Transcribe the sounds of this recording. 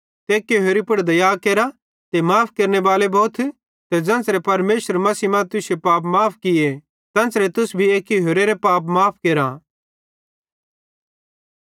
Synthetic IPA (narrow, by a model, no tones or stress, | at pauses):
t̪eːkjoɦoːɾipʊɽd̪ɐjaːkeːɾa | t̪emaːpʰkeɾneʋaːlebɔːt̪ʰ | t̪ed͡zɐ̃nsɾepɐɾmeːʃəɾmɐsiːmãt̪ʊsjepaːp̬maːpʰkɪje | t̪ɐ̃ːnsɾet̪ʊsbʱieːkoɦoːɾeɾepaːp̬maːpʰkeːɾa